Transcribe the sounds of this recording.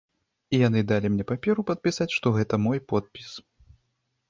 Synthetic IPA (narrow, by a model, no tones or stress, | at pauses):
ijanɨd̪alʲimnʲɛpapʲɛɾupɐt̪̚pʲisat͡sʲʂt̪ɔɣɛt̪ɐmɔjpɔt̪̚pʲis